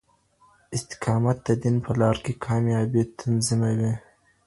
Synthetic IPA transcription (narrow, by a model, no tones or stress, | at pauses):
ɪst̪ɪ̥qʰɑːmat̪̚d̪ɐd̪inpəlɑːɾkekʰɑːmjɑbit̪ʰanzɪmawi